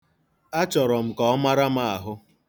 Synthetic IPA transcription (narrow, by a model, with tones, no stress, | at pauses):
a˦t͡ʃɔ˨ɾɔ˨m̩˨kɔ˦ɔ˦ma˦ɾa˦ma˦a˨ɦʊ˦